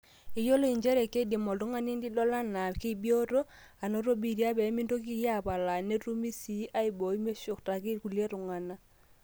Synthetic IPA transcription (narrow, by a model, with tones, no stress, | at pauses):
ɪ˦jo˦lo˦i˨ɲd͡ʒɛ˦ɾɛ˨ke˦di˨mɔ˨ltu˦ŋa˦ni˦ndi˦dɔ˦la˦na˨ki˦˨bjo˦to˦ | a˨no˦ɾo˦bi˨ɾja˦pɛ˨˦mɪ˦ndo˦k̬i˦ja˦˨pa˨la˨ne˦tu˦mi˦si˦ʔa˦ɪ˨bo˨i˦me˦ʃʊ˨kta˨kɪ˦ku˨lje˦tʊ˨ŋa˨na˦